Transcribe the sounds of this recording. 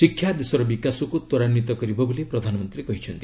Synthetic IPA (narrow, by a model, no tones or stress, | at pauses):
sikʰːjad̪esɔɾɔbikasokot̪ɔɾanːit̪ɔkʌɾibʌbulepɾʌd̪ʱanɔmʌnt̪ɾikʌɦit͡ʃʰʌnt̪i